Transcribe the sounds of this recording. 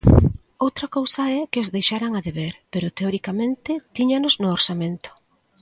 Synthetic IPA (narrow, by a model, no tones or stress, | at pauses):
owt̪ɾɐkowsɐɛkɪozðejʃaɾaŋaðeβeɾpeɾʊt̪eɔɾikamẽnt̪ɪt̪iɲanʊznʊoɾsamẽnt̪ʊ̥